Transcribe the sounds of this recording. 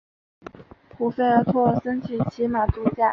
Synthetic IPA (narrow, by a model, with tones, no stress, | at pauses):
pʰu˨˩fe˥˩ə˧˥t̪ʰwɔ˥˩sə˥nt͡ɕʰi˨˩t͡ɕʰi˧˥ma˨˩t͡su˧˥t͡ɕja˥˩